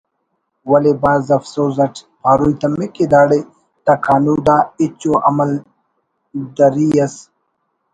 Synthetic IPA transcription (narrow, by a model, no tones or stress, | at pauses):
wɐlebaːzɐfsoːzɐʈʰ | paːɾujt̪ɐmeked̪aːɽe | t̪ɐkʰaːnuːd̪aːit͡ɕoʔɐ̰mɐl | d̪ɐɾiɐs